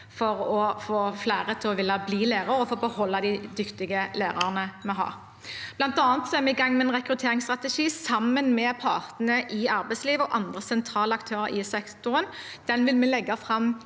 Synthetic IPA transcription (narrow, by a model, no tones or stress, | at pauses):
fɔʁɔfoːflæːʁət̪ʰɪlɔʋɪlːɑbliːleːʁɑɾɔfoːbəhɔlːɑd̪ɪd̪ʏkt̪ɪɡəlæːʁɑʁənəmɛɦɑ̰ːʁ | b̥lɑnt̪ɑːnət̪sɔɛʁmɛɪɡɑŋːmɛɛnʁɛkɾʉt̪ʰeːʁɪŋst̪ʁɑt̪ɛʃiːsɑmːənmɛpʰɑ̰ːʁt̪n̩əʔɪɑɾbæɪtsliːʋəɔʔɑnd̪ʁəsɛnt̪ʰɾʁɑːləɑkt̪ʰøːʁəɾɪsɛkt̪ʊɾən | d̪̥ɛnʋɪlmɛlɛɡːɑfʁɑm